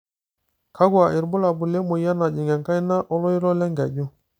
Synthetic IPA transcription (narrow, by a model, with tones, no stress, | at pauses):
kʰa˦ɡwa˨ʔɪ˨ɾbʊ˦la˨bʊ˨le˦mo˨ja˦na˨d͡ʒi˨ŋɛ˨ŋka˦jna˦ʔɔ˦lɔ˦i˦ɾɔ˦lɛ˦ŋɡɛ˨d͡ʒu˦